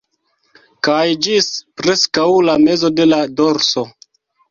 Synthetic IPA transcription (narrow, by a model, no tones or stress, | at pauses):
kajd͡ʒispɾe̞skawlame̞zo̞de̞lado̞ɾso̞